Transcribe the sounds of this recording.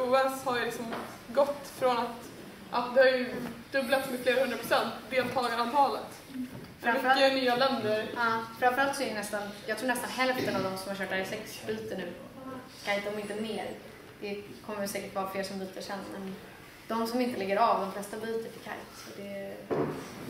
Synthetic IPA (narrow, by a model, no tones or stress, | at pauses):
uːɛlshaɾjlɪksɔm | ɡɔt̪ːfɾɔnat̪ | ʔat̪̚d̪ɛhaɾjɵd̪ɵblat̪smɛfleːɾahɵndɾapʰɾʊsɛnt̪d̪eːlt̪ʰɑːlɡaɾavt̪ʰɑːlət̪ | fɾamɛfɾanyːalɛnd̪əɾɑːfɾamfœɾalt̪sɔɛɾɛnɛst̪anjɑːɡt̪ɾuːɳnɛst̪anɦɛlft̪ənavd̪ɔmsɔmhaɾɕœːʈaɾɛsɛktsbiːt̪ənʉ̟ː | kʰajt̪̚d̪ɔmɪnt̪əneːɾ | d̪̥ɛkʰɔmːəsɛːkəʈvɑːɾafleːɾʂɔmbyːt̪ʰaʂɛnːmɛn | d̪̥ɔmsɔmɪnt̪əlɛɡːəɾɑvd̪ɔmflɛst̪abiːt̪əʈʰɪkʰa̰jt̪sɔd̪ɛ